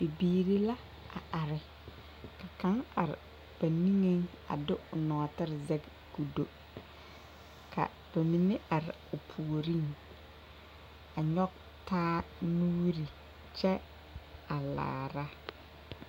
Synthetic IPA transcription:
bi˨biː˨ɾi˦la˦ | a̰˨ʔa˨ɾɪ˨ | ka˨ka˨˦ŋa̰˨ɾɪ̰˨ | b̥a˨nĩ˦ŋe˦ŋ | a̰˨dʊ˦ʊ˨nɔ˨tɪ˦ɾɪ˨zɛ˦ɡ | ɡu˨do˦ | kʰa̰˨ | b̥a˨mi˨ne˦ʔa˨ɾɪ˨ʊ˨pʰu˨o˨ɾi˦ŋ | a˨ɲɔ˦k̚ | taː˦nuː˦ɾi˨ | t͡ʃɛ˦ | a˨la̰ː˨ɾa˦

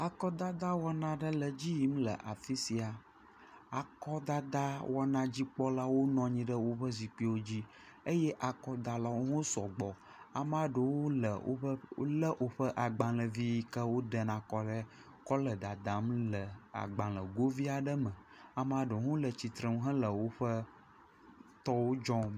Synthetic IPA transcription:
a˨kɔ˦d̪a˦d̪a˦wɔ˦nã˦ɖə˦lə˨d͡ʑi˦ji˦m̩˦lə̰˨ʔa˨fi˦si˨a˨ | a˨kɔ˦d̪a˦d̪a˦wɔ˦nã˦d͡ʑi˦k͡pɔ˦la˦wo˦nɔ̃˨˦ɲĩ˦ɖə˦wo˦ɸə˦zi˨k͡pi˦wo˦d͡ʑi˦ | ə˦jɛ˦ʔa˨kɔ˦d̪a˨la˦wo˦ŋõ˦sɔ˨ɡ͡bɔ˨ | a̰˨m˦a˦ɖə˨wo˦lə̰˨o̰˦ɸə˦lə˦ʔo˨ɸə˦ʔa˨ɡ͡bã˨lə˨vi˦kə˦wo˦ɖə˨nã˨kɔ˦ɖə˦ | kɔ˦lə˨d̪a˨d̪a˨˦mlə˨a̰˨ɡ͡bã˨lə˨ɡo˦vi˦a˨ɖə˦mə̃˨ | a˨m˦a˦ɖə˨wo˦ŋõ˦lə˨t͡ɕi˨t̪ɾə˨m˦ɦə̃˦lə˨wo˦ɸə˦ | t̪ɔ˦wo˦d͡ʒɔ̃˦

